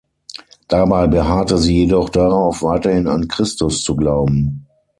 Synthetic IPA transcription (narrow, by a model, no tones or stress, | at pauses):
d̥abaɪbəɦaːtəziːjedɔχd̥aʁaʊʊfv̥aɪtɐhɪna̰nkʁ̥ɪstʊst͡suɡlaʊbm̩